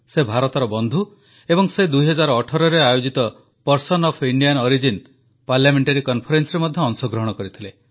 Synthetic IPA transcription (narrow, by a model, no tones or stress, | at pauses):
sebʱaɾɔt̪ɔɾɔbɔnd̪ʱu | ebɔŋsed̪ujɦɔd͡ʒaɾɔːʈʰɔɾɔɾeajod͡ʒit̪ɔ | pɔɾsɔnɔpʰiɳɖijanɔɾid͡ʒin | paɾljameɳʈaɾikɔnpʰɔɾensɔɾemɔd̪ʱjɔːŋsɔɡɾɔɦɔɽ̃ɔkɔɾit̪ʰile